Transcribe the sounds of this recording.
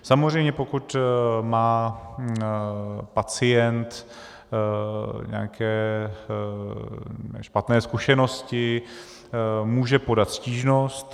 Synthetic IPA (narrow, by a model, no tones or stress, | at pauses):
samozr̝ɛjmɲɛpokut̪maː | pat͡sɪjɛnt̪ | ɲɛ̰akʰɛː | ʃpat̪nɛːskuʃɛno̞scɪ | muːʒɛpo̞dat̪sciːʒnost̪